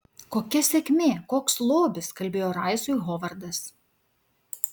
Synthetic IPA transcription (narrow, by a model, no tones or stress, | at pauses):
koːkʲɛsʲɛkʲmʲeːkoːkslˠoːbʲɪskɐlʲbʲeːjoːɾɑˑɪsuːjɣɔːʋɐɾd̪ɐs